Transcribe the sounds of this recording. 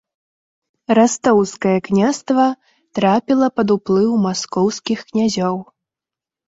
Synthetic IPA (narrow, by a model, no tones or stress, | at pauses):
ɾast̪ɔwskɐjɐknʲast̪vɐ | t̪ɾapʲilˠɐpɐd̪uplˠɨwwmaskɔwskʲixknʲazʲɔw